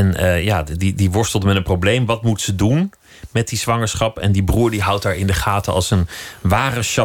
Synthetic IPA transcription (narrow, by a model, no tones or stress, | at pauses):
ɛnjaːdidiʋɔɹstəlˠdəmɛtənprowblejmʋɑtmutsədun | mɛt̚diz̥ʋɑŋəɹsχɑpɛ̰ndibruːɹdiɦɑwt̚aːɹɪndəχaːtəɑ̰lˠsənʋaːrəʃɑ